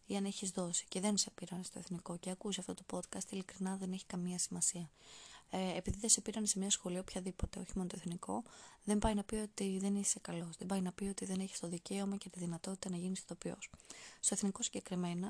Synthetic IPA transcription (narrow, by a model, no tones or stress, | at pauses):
iɐne̞çizðo̞si̥ce̞ðe̞nse̞piɾɐnest̪o̞eθniko̞ceɐkusiɐft̪o̞t̪o̞po̞t̪kɐst̪ilikɾinɐðe̞ne̞çi̥kɐmiɐsimɐsiɐ | epiðiðese̞piɾɐnese̞mɲɐsxo̞lioopçɐðipo̞t̪e̞o̞çi̥mo̞not̪oθnikʰo̞ðe̞mbɐjnɐpio̞t̪iðe̞nise̞kɐlo̞zðebɐjnɐpio̞t̪iðe̞ne̞çi̥st̪o̞ðice̞omɐcet̪iðinɐt̪o̞t̪i̥t̪ɐnɐʝinisiðo̞pio̞̰sst̪o̞eθniko̞siɲɟe̞kɾime̞nɐ